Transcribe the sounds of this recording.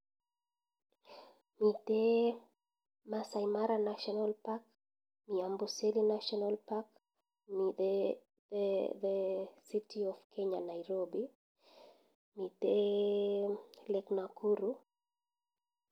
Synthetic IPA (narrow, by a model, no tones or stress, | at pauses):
mite | masaimaɾanaʃɔnalpak | miambuselinaʃɔnalpak | mi | ðɛsitiɔfkʰeɲanaiɾobi | mite | lɛknakʰuɾu